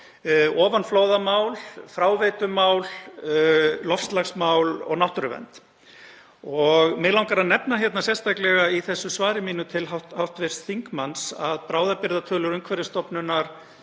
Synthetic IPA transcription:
ɔːvanfloːwðamaːwlfɾaːwvejt̪ʏmaːwl | lɔfst̪laxsmawlɔ̰ɣnawht̪ʏɾʏvɛ̰nt̪ | ɔɣmɛlawŋkaɾanɛpnaçjɛt̪nasjɛ̥st̪ʰajklɛɣaiθɛsːʏsvaːɾɪmiːnʏt̪ʰɪlɦathawht̪vɛr̥t̪θiŋkmansa̰ðpɾaːwðapɪɾðat̪ʰœːlʏɾʏmkʰvɛɾɪst̪ɔpnʏnaɾ̥

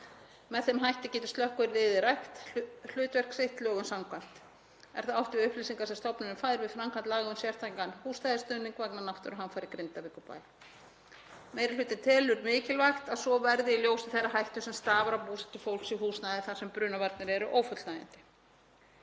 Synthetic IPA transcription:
mɛðθɛmɦajht̪ɪcɛːt̪ʏ̥st̪lœhkʏɪɾvɪːðɪɾaxt̪l̥ʏːt̪vɛr̥ksejht̪lœːɣʏnsawmkʰvan̥t̪ | ɛ̰ɾ̥θaðawht̪ɪʏhplisiŋkasɛst̪ɔwpnʏnʏmfajðɾvɪðfɾamkʰant̪laːɣaʏmsjɛr̥t̪ʰajŋkanhuːst̪ajðɪst̪œnːiŋkvaknanawht̪ʏɾaɦanfajɾɪkɾɪnt̪avɪːkʏpa̰ːj | meːjɾalʏːt̪ɪnt̪ʰɪlʏɾmɪːcɪlvajxt̪aðsɔvɛɾðɪiljoːwsɪ̥θɛrːaɦajht̪ʏsɛmst̪aːvaɾawpuːsḁt̪ʏfowl̥ksihuːsnaðɪθasɛmpɾʏːnavaɾt̪nɪɾɛɾʏʔoːwfœt̪lnaːja̰nt̪ɪ̥

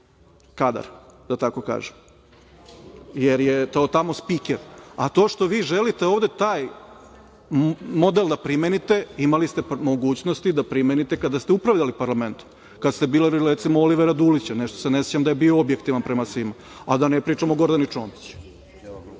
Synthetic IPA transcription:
kad̪a̰ɾd̪̥at̪ako̞ka̰ːʒem | jeɾje̞t̪ot̪amo̞spikeɾat̪o̞ːʃt̪o̞ʋiːʒelit̪eoːʋd̪et̪aːj | mo̞d̪elˠd̪apɾimenit̪e̞imalist̪e̞mo̞ɡuːt͡ɕnost̪id̪apɾimenit̪e̞kad̪ast̪eupɾaʋʎalipaɾlˠament̪u̥ | kad̪st̪e̞biːliɾɾet̪simooliʋeɾad̪ulit͡ɕaneʃt̪osenesjit͡ɕamd̪ajebioobje̞kt̪iʋanpɾemasʋima | ad̪anepɾiːt͡ʂamoɡo̞ɾd̪anit͡ʂoːnt̪i̥t͡ɕu̥

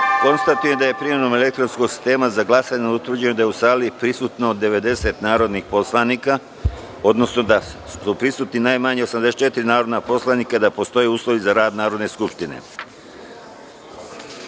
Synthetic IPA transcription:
ko̞nst̪at̪uje̞md̪aje̞pɾimenome̞le̞k̚t̪ɾo̞nsko̞ɡsi̥st̪e̞ːmazaɡlˠasaɲnut̪ʋɾ̩d͡ʑenud̪ajeusaːlipɾisuːt̪nod̪ːe̞ʋe̞d̪e̞se̞t̪naːɾo̞d̪nixpo̞slˠanika | o̞d̪no̞sno̞d̪asupɾisuːt̪ninajmaɲeo̞samd̪eset͡ʃe̞t̪iɾinaːɾo̞d̪napo̞slˠaniːkad̪apo̞st̪o̞jeuːslˠoʋizaɾaːd̪naːɾo̞d̪ne̞skupʃt̪inḛ

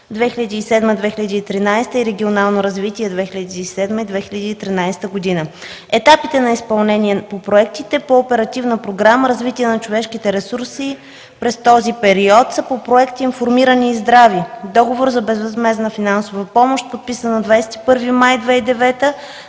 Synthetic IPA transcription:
d̪vɛxilʲɐd̪iːsɛd̪məd̪vɛxiləd̪iːt̪ɾinajst̪əiɾɛɡʲionalˠnoɾɐzvit̪iɛd̪vɛxilʲɐd̪iːsɛd̪məid̪vɛxilʲəd̪iːt̪ɾinajst̪əɡod̪inə | ɛt̪apit̪ɛnɐispɐlˠnɛnʲiɛpopɾoɛk̚t̪it̪ɛpoːpɛɾɐt̪ivnəpɾoɡɾaməɾɐzvit̪iɛnɐt͡ʃovɛʃkit̪ɛɾɛsuɾsi | pɾɛst̪ɔzipɛɾiɔt̪səpopɾoɛkt̪iːnfoɾmiɾəniːzd̪ɾavid̪ɔɡovoɾzɐbɛzvɐzmɛznəfinansovəpɔmoʃt̪̚pot̪̚pisənəd̪vajsɛ̥t̪i̥pɤɾvimajd̪vɛid̪ɛvɛt̪ə

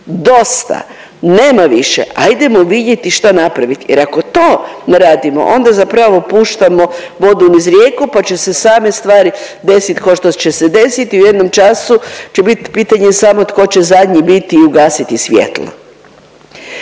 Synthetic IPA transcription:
d̪o̞st̪a̰ | neːmaʋiʃḛʔa̰jid̪e̞moʋid̪jet̪iʃt̪anapɾaʋit̪jḛɾako̞t̪oːnɾaːd̪imo̰ʔo̞nd̪azapɾaʋopuːʃt̪amo | ʋo̞d̪unizɾjeːkupat͡ɕe̞se̞saːmest̪ʋaːɾid̪e̞sit̪koʃt̪ot͡ɕe̞sed̪e̞sit̪iujed̪nomt͡ʃasut͡ɕebit̪piːt̪aɲesamot̪ko̞t͡ɕe̞zad̪ɲibit̪iːuɡaːsit̪isʋjḛt̪lˠo̰

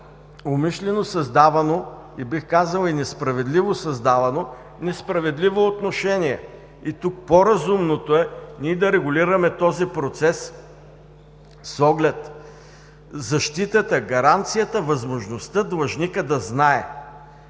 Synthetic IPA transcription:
omiʃlɛnosɐzd̪avɐno | ibixkazɐlˠinɛspɾɐvɛd̪livosɐzd̪avɐno | nɛspɾɐvɛd̪livoːt̪noʃɛniɛ | it̪uk̚poɾɐzumnot̪oɛnid̪ɐɾɛɡʊliɾɐmɛt̪ɔzipɾot̪sɛs | sɔɡlɛt̪ | zɐʃt̪it̪ət̪əɡɐɾant̪sijət̪əvɐzmoʒnost̪əd̪lˠɐʒnikəd̪ɐznaɛ̰

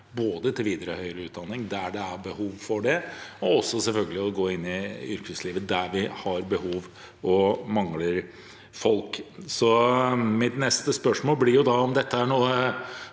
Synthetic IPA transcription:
boːd̪ət̪ʰɪlʋiːd̪əɾɔhœʏəɾəʉːt̪̚d̪ɑnːɪŋd̪æɖɛæɾbəhuːʋfɔɖɛɔɔsːɔsɛlfœlɡəlɪɔɡoːɪnːɪʏɾkəsliːʋəd̪æʋɪhɑɾbəhuːʋ | ɔmɑŋləɾ | fɔlksɔmɪt̪nɛst̪əspœʂmoːlblɪɾjʊd̪ɑɔmd̪ɛt̪ːəæɳuːə

